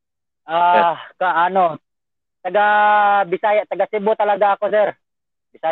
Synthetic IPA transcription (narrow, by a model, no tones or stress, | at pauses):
ʔakaʔano | t̪ɐɡabɪsajaʔt̪aɡasɪbot̪ɐlaɡaːkosɛɾ | bɪsa